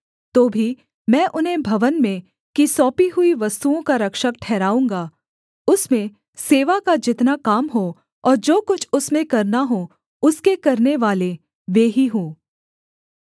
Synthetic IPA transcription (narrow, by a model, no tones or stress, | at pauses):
t̪oːbʱi | mɛ̃ːʔʊnɦẽbʱɐʋənmẽ | kisɔːpiɦʊiʋɐst̪uõkaɾɐkʃək̚ʈʰɛːɾaːũːŋɡaː | ʊsmẽ | seːʋakad͡ʒɪt̪nakaːmɦo | ɔːɾd͡ʒoːkʊt͡ʃʰʊsmẽkɐɾnaɦo | ʊskekɐɾneʋaːle | ʋeːɦiɦũː